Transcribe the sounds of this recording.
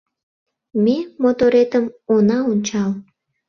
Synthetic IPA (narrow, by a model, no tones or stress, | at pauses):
memot̪oɾet̪əmonɑonʲt͡ɕɑl